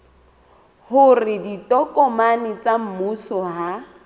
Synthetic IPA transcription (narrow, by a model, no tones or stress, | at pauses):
hʊrɪditʼɔkʼɔmanɪt͡sʼam̩musɔɦa